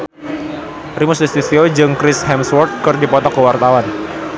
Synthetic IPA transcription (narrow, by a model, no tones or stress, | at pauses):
rimʊsdist̪isiod͡ʒɨŋkɾɪshɛmswɔrt̪̚kɨrdipɔt̪ɔkəwart̪awan